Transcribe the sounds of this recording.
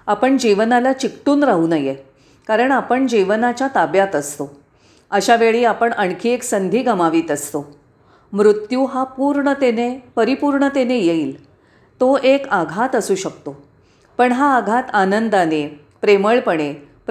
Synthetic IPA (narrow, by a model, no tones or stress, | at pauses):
apəɳd͡ʑiʋnalat͡ɕikʈuːnɾaɦuːnəje | kaɾəɳapəɳd͡ʑiʋnat͡ɕjat̪abjat̪əst̪o | əɕaʋeɭiːapəɳʔəɳkʰiːeksənd̪ʱiːɡəmaʋiːt̪əst̪o | mɾut̪juːɦapuːɾɳət̪enepəɾipuɾɳət̪enejeiːl | t̪oʔekaɡʱat̪əsuːɕək̚t̪o | pəɳɦaːɡʱat̪anənd̪ane | pɾeməɭpəɳ̃e | p